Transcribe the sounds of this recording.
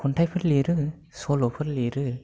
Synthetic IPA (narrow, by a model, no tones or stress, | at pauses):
kʰɔntʰajpʰɯɾleɾɯ | solopʰɯɾleɾɯ